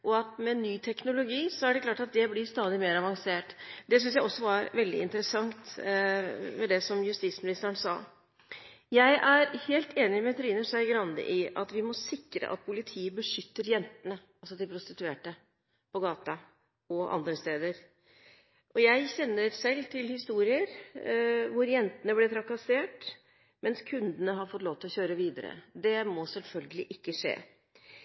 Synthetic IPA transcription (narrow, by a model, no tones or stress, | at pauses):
ʔɔɑt̪mɛnːyːt̪ʰɛknʊlʊɡiːsɔæɖɛklɑːʈɑt̪̚d̪ɛblɪst̪ɑːd̪ɪmeːɾɑʋɑŋseːʈd̪ɛs̬ʏns̬jæɪɔsːɔʋɑɾʋɛld̪ɪ̰ɪnt̪əɾəsɑŋt̪ | mɛd̪ɛsɔmjʉst̪iːt̪smɪnɪst̪əɾənsɑ̰ː | jæɪʔæɾheːlt̪ʰeːnɪmɛt̪ʰɾiːnəʂæɪɡɾɑnd̪ə̰ʔɪʔɑ̰t̪ʋɪmɔsɪkɾə̰ʔɑ̰t̪̚pʰʊlɪt̪ʰiːəbəʂʏt̪ːəɾjɛnt̪ənə | ɑlsɔt̪ɪlpʰɾʊst̪ɪt̪ʉeːʈə | pʰɔɡɑːt̪ɑ | ɔʔɑ̰nd̪ɾəst̪eːd̪əɾ | ʔɔjæɪɕɛnːəɾsɛlːt̪ʰɪlhɪst̪uːɾɪəɾ | ʋʊɾjɛnt̪ənəblɛt̪ʰɾɑkɑseːʈ | mɛnskʰʉnd̪ənəɦɑɾfɔt̪ːloːʋt̪ʰɪlɔçøːɾəʋiːd̪əɾə̰d̪ɛmɔsɛlfœlɡəlɪʔɪkːəʂḛː